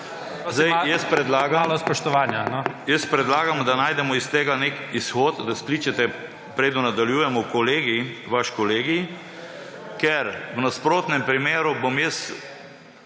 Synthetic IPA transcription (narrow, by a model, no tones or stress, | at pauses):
zd̪ajjɛspɾɛd̪laːɡalɔspɔʃt̪ɔʋaːnjanɔjəspɾɛd̪laːɡamd̪anaːjd̪ɛmɔist̪eːɡanekisxoːt̪d̪askliːt͡ʃɛt̪ɛ | pɾeːd̪nɔnad̪aljuːjɛmɔkɔleːɡiʋaʃkɔleːɡi | kɛɾwnaspɾoːt̪nɛmpɾimeːɾubomjəs